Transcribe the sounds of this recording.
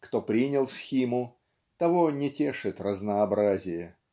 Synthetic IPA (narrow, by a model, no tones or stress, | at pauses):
kt̪o̞pɾʲinʲɪlˠsxʲimʊ | t̪ɐvonʲɪtʲe̞ʂɨt̪rəznəɐbɾazʲɪjə